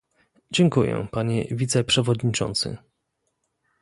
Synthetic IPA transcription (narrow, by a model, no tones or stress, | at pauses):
d͡ʑɛŋkujɛ̰paɲɛvʲit̪sɛpʂɛvɔd̪ɲit͡ʂɔ̰nt̪sɘ̰